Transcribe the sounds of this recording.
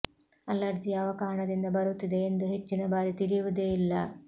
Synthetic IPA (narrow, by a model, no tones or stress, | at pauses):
ɐlːɐɾd͡ʒijɐɐʋɐkaːɳɐd̪ind̪ɐbɐɾut̪ːid̪eend̪uɦe̞t͡ʃːinɐbaːɾit̪iɾijuʋud̪eilːɐ̰